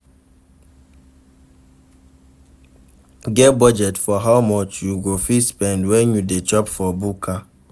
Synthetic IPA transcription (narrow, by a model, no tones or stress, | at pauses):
ɡɛbɔd͡ʒɛtfɔɦaʊmɔt͡ʃjuɡʷofispɛndwɛnjudet͡ʃɔpfɔbuka